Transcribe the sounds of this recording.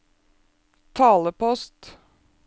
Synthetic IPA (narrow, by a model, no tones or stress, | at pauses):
t̪ʰɑːləpɔst̪